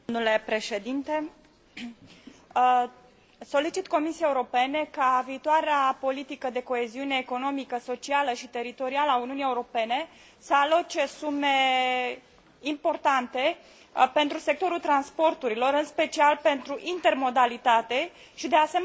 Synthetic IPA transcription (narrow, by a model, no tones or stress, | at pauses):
nule̞pɾe̞ʃe̞d̪int̪e | so̞lit͡ʃit̪ko̞misiaje̞uɾo̞pe̞ne̞kaviːt̪oaɾeapo̞lit̪ikəd̪e̞ko̞eziune̞ːko̞no̞mikəso̞t͡ʃialəʃit̪e̞ɾit̪o̞ɾialəauniunie̞uɾo̞pe̞ne̞ | səalo̞t͡ʃe̞sume̞ | impo̞rt̪ant̪e̞ | pe̞nt̪ɾuse̞k̚t̪o̞ɾult̪ɾanspo̞rt̪uɾilo̞ɾɨnspe̞t͡ʃialpe̞nt̪ɾuʔint̪e̞rmo̞d̪alit̪at̪e̞ | ʃid̪easem